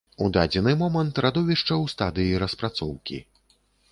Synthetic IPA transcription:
ud̪ad͡zʲɛnɨmɔmɐnt̪ɾad̪ɔvʲiʂt͡ʂɐwst̪ad̪ɨjiɾɐspɾat̪sɔwkʲḭ

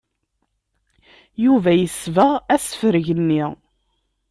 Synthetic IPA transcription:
juvæjəsvəʁæsə̥fəɾʝənːiʁ

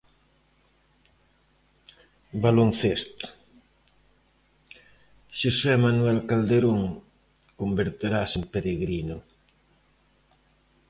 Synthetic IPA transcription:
balon̟θest̪ | ʃosɛmanwɛlkald̪eɾoŋ | kombeɾt̪eɾasempeɾeɣɾinʊ

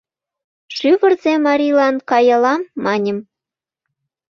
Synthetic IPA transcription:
ʃyβə̆rzemɑɾʲilɑnkɑjɑlɑmːɑnʲə̆m

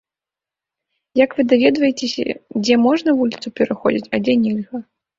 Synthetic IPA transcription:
jɐkvɨd̪avʲɛd̪vɐjet͡sʲesʲɐ̰d͡zʲɛmɔʐnɐvulʲit̪supʲɛɾaxɔ̰d͡zʲit͡sʲɐd͡zʲɛnʲɛlʲɣɐ

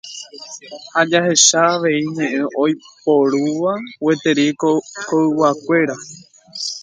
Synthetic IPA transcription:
had͡ʒahe̞ʃaːʋe̞iɲẽ̞ʔẽʔo̞jpoɾuʋawe̞t̪e̞ɾiokoɨwakʷe̞ɾa

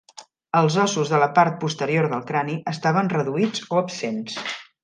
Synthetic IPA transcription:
əlˠzɔsuzðələpaɾt̪̚pust̪əɾioɾðəlˠkɾaniʔəst̪aβ̞ənrəðuid͡zoəpsens

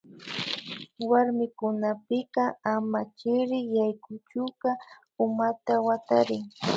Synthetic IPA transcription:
waɾmɪkʊnapɪqɑamat͡ʃɪɾɪjajkʊt͡ʃʊqɑ | ʊmat̪awat̪aɾɪŋ

